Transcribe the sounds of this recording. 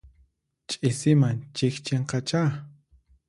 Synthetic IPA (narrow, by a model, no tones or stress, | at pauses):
t͡ʃʼɪsɪmant͡ʃɪkt͡ʃeɴqɑt͡ʃa